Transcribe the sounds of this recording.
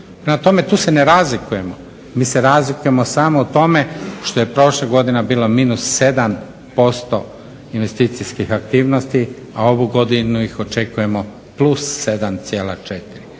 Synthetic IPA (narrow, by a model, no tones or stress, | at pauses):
pɾemat̪o̞me̞t̪uːse̞neɾazlikuje̞mo | miːse̞ɾaːzlikuje̞mosaːmout̪o̞me̞ʃt̪o̞jepɾo̞ʃleɡo̞d̪inabiːlˠo̞minusːe̞d̪am | po̞st̪o̞ | inʋe̞st̪it̪sijskixak̚t̪iːʋno̞st̪i | ao̞ʋuɡo̞d̪inuixo̞t͡ʃe̞kuje̞mo̞ | plˠusːe̞d̪amt̪sjeːla̰t͡ʃet̪iɾi